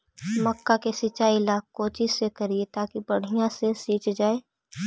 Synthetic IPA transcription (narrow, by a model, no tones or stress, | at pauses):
mɐkːakesɪt͡ʃaːilaːkːoːt͡ʃisekɐɾiet̪aːkibɐɽ̤ijãsesiːt͡ʃd͡ʒaːeː